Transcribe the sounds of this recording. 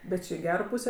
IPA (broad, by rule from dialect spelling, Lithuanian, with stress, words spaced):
bʲɛt ˈt͡ʃʲɪ ɪ ˈɡʲæːroː ˈpuːsʲeː